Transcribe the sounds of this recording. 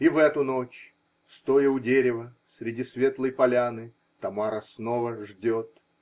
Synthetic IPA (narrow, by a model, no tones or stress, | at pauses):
ivɛt̪ʊnot͡ɕ | st̪ojəʊdʲeɾʲɪvəsʲɾʲɪdʲisvʲe̞t̪lˠəjpɐlʲanɨ | t̪ɐmaɾəsnovəʐdʲot̪